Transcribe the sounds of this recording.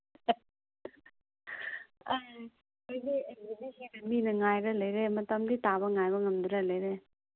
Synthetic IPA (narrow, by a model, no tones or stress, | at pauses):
a | ojdeembinisenɐminɐŋajɾɐlɐjɾemɐtɐmditaβɐŋajβɐŋɐmd̪uɾɐlɐjɾe